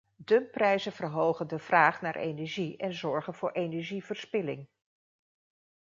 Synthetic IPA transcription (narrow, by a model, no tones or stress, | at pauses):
dɵmprɛjzənv̥ərɦowχəndəv̥raːχnaːɹʔḛjnɛɹʒiɛnzɔɹχənvʊːɹʔejnɛɹʒivəɹspɪlɪ̰ŋ